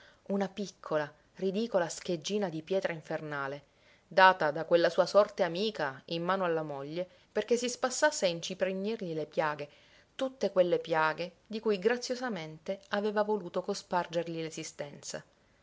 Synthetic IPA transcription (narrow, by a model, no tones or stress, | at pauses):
unapikʰːola | rid̪iːkolask̟ed͡ʒːiːnad̪ipjɛːt̪ɾaiɱfernaːle | d̪aːt̪ad̪akwelːasuːasɔrt̪eamiːkaimːaːnoalːamoʎːe | perkesːispasːasːeaint͡ʃipɾeɲːirʎilepjaːɡe | t̪ut̪ːekwelːepjaːɡe | d̪ikujɡɾat̪sːjozament̪eaveːvavoluːt̪okospard͡ʒerʎilezist̪ɛnt̪sa̰